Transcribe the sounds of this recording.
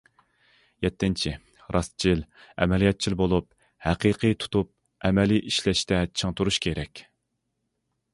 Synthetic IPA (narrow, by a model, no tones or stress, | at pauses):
jɛt̪ʰːɪnt͡ʃʰi | ɾɑst̪t͡ʃʰilɛmɛlijɛt̪̚t͡ʃʰilbolˠup̚ | hæqiqʰɨjt̪ʰu̥t̪up̚ | ɛmɛlijʔiʃlɛʃt̪ɛt͡ʃʰəŋt̪uɾuʃkʲʰeɾɛkʲ